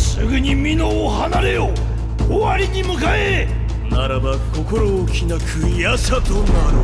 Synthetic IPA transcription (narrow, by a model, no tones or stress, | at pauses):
sɨɡɯɲ̟imʲinoːhanaɾe̞o | oaɾʲiɲ̟imɯ̟kae | naɾabako̞ko̞ɾoːkʲinakʰɯ̟jasat̪onaɾɯ